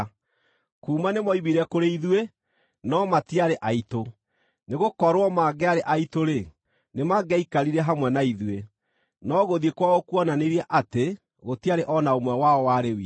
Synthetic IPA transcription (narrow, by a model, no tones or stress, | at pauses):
kuːmanemɔiβiɾɛkoɾeiðwe | nɔmatiaɾeʔaito | neɣokɔɾwɔmaɡɛaɾeʔaitoɾe | nemaɡɛikaɾiɾɛɦamwɛnaiðwe | nɔɣoðiekwaɣokwɔnaneɾiaʔate | ɣotiaɾeʔɔnaomwɛwaɔwaɾewi